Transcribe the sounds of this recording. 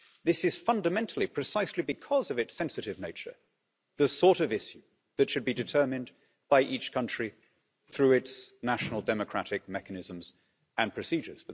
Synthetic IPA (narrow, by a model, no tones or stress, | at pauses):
ðɪsɨz̥fʌ̃ndəmɛ̃ntʰˡl̩ˠipʰɹ̥ɨsaɪslibɨkʰʌzʌvɨtsɛ̃nsɨɾɨvneɪt͡ʃə̰˞ | ðɨsɔɹɾʌvɪsjʉ | ðɨtʃɨd̚bidɨtʰɜ˞mɨ̃n | b̥aɪʔit͡ʃkʰʌ̃nt͡ʃɹ̥i | θɹʉɪtsnæʃnl̩ˠdɛmɨkʰɹ̥æɾɨk̚mɛkɨnɪzə̃mz̥ | ɨ̃npʰɹ̥ɨsid͡ʒə˞z̥fə